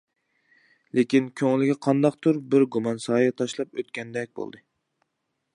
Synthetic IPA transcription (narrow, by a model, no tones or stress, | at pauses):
lekʲinkʲʰøŋlɪɡʲɛqʰɑnd̪ɑqt̪ʰuɾbɪɾɡumɑnsɑːjɑt̪ʰɑʃlˠɑpøt̪̚kʲɛnd̪ɛk̚ʲbo̰lˠd̪ɨ